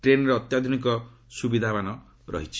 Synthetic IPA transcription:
ʈɾenɔɾeɔt̪jad̪ʱunikɔ | subid̪ʱabanɔ | ɾɔ̰ɦit͡ʃʰi̥

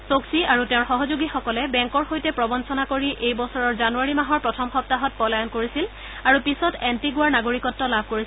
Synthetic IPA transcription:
soksiaɹutɛʊ̃ɹxɔɦɔzuɡixɔkɔlɛbɛŋkɔɹxojtɛpɹɔbɔnsɔnakoɹiʔejbɔsɔɹɔɹzanuaɹimaɦɔɹpɹɔtʰɔmxɔp̚taɦɔt̚pɔlajɔnkoɹisil | aɹupisɔtɛntiɡʊwaɹnaɡoɹikɔtːɔlabʱkoɹis

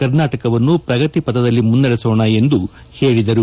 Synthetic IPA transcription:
ɐɾnaːʈɐkɐʋɐnːupɾɐɡɐt̪ipɐd̪ɐd̪ɐlːimund̪ɐɾɛsɔːɳɐe̞nd̪u | he̞ːɭid̪ɐɾu

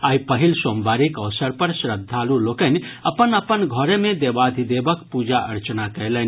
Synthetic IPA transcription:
aipəɦilsombaɾikəʋsəɾpəɾsɾəd̪ʱːalulokənəpənəpənɡʱɔɾemẽd̪ebad̪ʱid̪ebəkpud͡ʒaʔə̰ɾt͡ʃnakəɪlən

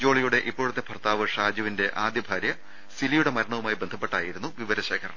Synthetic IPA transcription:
d͡ʑo̞ːɭijuɽe̞ʔipːoːɻut̪ːepʰɐrt̪aːʋɨʂaːd͡ʑɐʋinde̞ʔaːd̪jɐbʱaːɾjɐ | silijuɽe̞mɐɾɐɳɐʋumaːjibe̞nd̪ʱɐpːe̞ʈːaːjiɾunːuʋiʋɐɾɐɕe̞ːkʰɐɾɐ̰ɳɐ

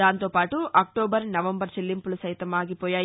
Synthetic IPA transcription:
aːnt̪oːpaːʈuʔɐk̚ʈoːbɐɾnɐʋɐmbɐɾt͡ʃelːimpulusɐjt̪ɐmaːɡipɔːjaːj

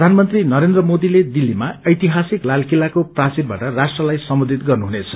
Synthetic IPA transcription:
d̪ʱanmʌnt̪rinʌɾend̪rʌmod̪iled̪ilːimaʌjt̪iɦasiklalkilakoprat͡sid̪̚baʈʌrasʈrʌlajsʌmbud̪ʱit̪ɡʌrnuɦunet͡sʰʌ̥

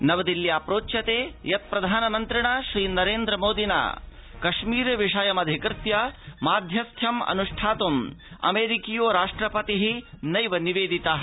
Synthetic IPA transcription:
nɐʋɐd̪iljaːpɾoːtʃɐt̪eːjɐt̪̚pɾɐd̪ʱaːnɐmɐnt̪ɾiɳɐʃɾiːnɐɾeːnd̪ɾɐmoːd̪ina̰ː | kɐʃmiːɾɐʋiʂɐjɐmɐd̪ʱikɾt̪jɐmaːd̪ʱjɐst̪ʰjɐmɐ̰nuʂʈʰaːt̪umɐ̰meːɾikijoːɾaːʂʈɾɐpɐt̪iɦinɐjʋɐniʋeːd̪it̪ɐ

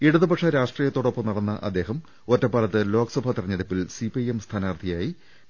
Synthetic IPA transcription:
iɽuðɨpɐʂɐɾaːʂʈriːjɐt̪ːo̞ːɽopːɐmnɐɽɐnːɐʔɐ̰d̪ːe̞ːɦɐm | otːɐpːaːlɐt̪ːɨlo̞ːkɐsɐbʱɐt̪irɐɲːɐðipːilsipɐjemst̪ʰaːnaːrt̪ʰijaːji

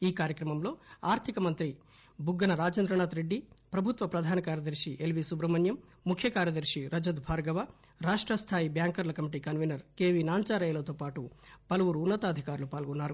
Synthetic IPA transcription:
iːkaːɾjɐkɾɐmɐmlo̞ːaːɾt̪ʰikɐmɐnt̪ɾi | bʱuɡːɐnɐɾaːd͡ʒɐnd̪ɾɐɳaːt̪ɾeɖːipɾɐbʱut̪ʋɐpɾɐd̪ʱaːnɐkaːɾjɐd̪ɐɾʂiʔelʋisubɾɐmɐnjɐmː | ukʰjɐkaːɾjɐd̪ɐɾʂiɾɐd͡ʒɐd̪bʱaːɾɡɐʋaɾaːʂʈɾɐst̪ʰaːjibjaːŋkɐɾlɐkɐmiʈiːkɐnʋenɐɾkeːʋinaːɲt͡ʃaːɾɐjɐlɐt̪oːpaːʈupɐlɐʋuɾuːnːɐt̪aːd̪ʱikaːɾulupaːlɡɔnːaːɾu

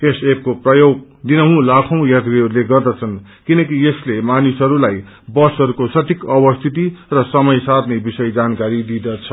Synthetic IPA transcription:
esep̚koprʌjoɡ̚ | d̪inʌɦũlakʰʌ̃w̃jat̪beɦʌɾuleɡʌrd̪ʌt͡sʰʌn | kinʌkieslemanisɦʌɾulaj | bʌsʌɾukosʌt̪ʰikʌbʌst̪ʰit̪̬irʌsʌmʌjsad̪nebisʌjd͡zankaɾid̪id̪ʌt͡sʰʌ

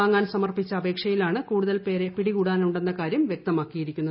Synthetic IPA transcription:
aːŋːaːnsɐmɐrpit͡ɕːɐːbe̞ːkʂɐjilaːɳɨkuːɽuðɐlpeːɾepiɽikuːɽaːnuɳɖe̞nːɐkaːɾjɐmʋjek̚t̪ɐmaːkːijiɾikʲːunːɐ

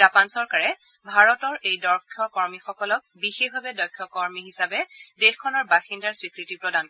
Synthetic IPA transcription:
apansɔɹkaɹɛ | bʱaɹɔtɔɹʔejdɔɹkʰjɔkɔɹmixɔkɔlɔk̚bixexbʱabɛdɔjkʰːɔkɔɹmiɦisabɛdexkʰːɔnɔɹbaxindaɹswikɹitipɹɔdan

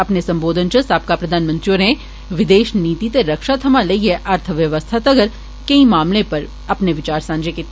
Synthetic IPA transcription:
ɐpnesɐ̃mboːd̪ʱənt͡ʃɐsaːp̚kapɾɐd̪ʱaːnmə̃nt̪ɾioːɾẽː | ʋɪd̪eːʃniːt̪it̪eɾɐkʃat̪ʰɐmãlɐieʔəɾt̪ʰəʋjɐʋəst̪ʰat̪ɐɡəɾ | kɐĩmaːmlepɐɾ | ɐpneʋɪt͡ʃaːɾsãːnd͡ʒeke

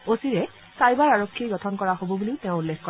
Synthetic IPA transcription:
osiɹɛ | sajbaɹaɹokʰːiɡɔtʰɔnkɔɹaɦobɔbuliʊtẽʊ̃ulːekkɔ

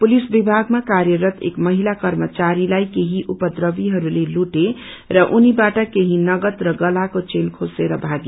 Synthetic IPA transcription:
pulisbibʱaɡmakaɾjəɾət̪ʰḛkməɦilakəɾmət͡ʃaɾilajkeɦiʔupəd̪ɾəbiɦʌɾuleluʈe | ɾʌʔunibaʈakeɦinʌɡət̪ɾʌɡəlakot͡ʃenkʰoseɾʌbʱaɡe

